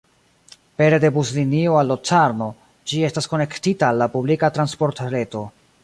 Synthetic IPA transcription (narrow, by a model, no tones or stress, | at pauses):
pe̞ɾe̞de̞buzlinioalːot͡saɾno̞ | d͡ʒie̞stasko̞ne̞ktitaːlːapublikatɾanspo̞ɾtɾe̞to̞